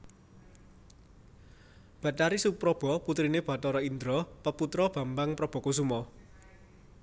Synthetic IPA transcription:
b̥a̤t̪aɾisupɾɔb̥ɔput̪ɾineb̥ä̤t̪ɔɾɔind̪ɾɔpəput̪ɾɔb̥ä̤mbaŋpɾɔb̥ɔ̤kos̬umɔ

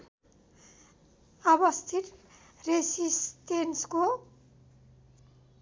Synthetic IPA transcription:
ʌbʌst̪ʰit̪ | resist̪ensko

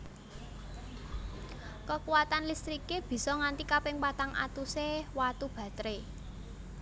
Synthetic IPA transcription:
kəkuwat̪anlist̪ɾikeb̥i̤sɔŋant̪ikapɪŋpat̪aŋʔa̰t̪usewat̪ub̥ä̤t̪ɾe

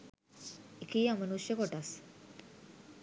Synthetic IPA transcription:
ikiːamənusjəkoʈas

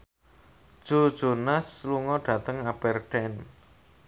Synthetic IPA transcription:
d̥ʒ̥o̤d̥ʒ̥o̤nasluŋɔɖ̥ä̤t̪əŋab̥ɛrɖ̥ɛn

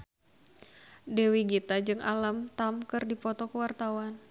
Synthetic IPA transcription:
dewiɡit̪ad͡ʒɨŋʔa̰lamt̪amkɨrdipɔt̪ɔkəwart̪awan

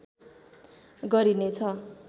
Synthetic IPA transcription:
ɡʌɾinet͡sʰʌ

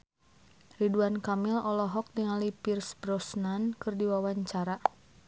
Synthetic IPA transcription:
riduankamilɔlɔɦɔk̚diŋalipirsbɾɔsnankɨrdiwawaɲt͡ʃaɾa

